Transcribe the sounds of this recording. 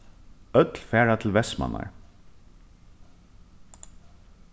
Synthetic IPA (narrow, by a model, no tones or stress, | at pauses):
œt̪lfæːɹat̪ʰl̩ʋɛsmɑ̰nɑ̰ɹ